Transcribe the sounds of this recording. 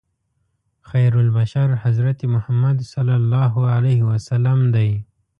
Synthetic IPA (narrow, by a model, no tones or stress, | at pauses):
xajɾʊlbaʃaɾhazɾat̪emʊhamad̪salːalːɑɦʊalahɪwasalamd̪aj